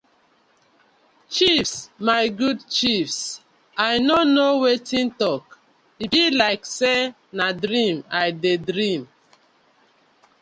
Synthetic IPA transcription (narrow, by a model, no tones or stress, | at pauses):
t͡ʃifsmaɪɡudt͡ʃifs | ajnonowetʰĩntɔk | ibilaɪkse | nadɾĩmaɪdedɾĩm